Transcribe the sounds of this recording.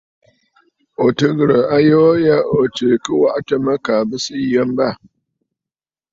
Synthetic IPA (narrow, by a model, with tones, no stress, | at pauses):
o˨tə˦ɡɾə˨ʔa˦jo˦ja˦ʔo˨ti˨kɨ˦wa˦ʔta˨ma˦ka˨bɨ˦si˦jə˦mba˦˨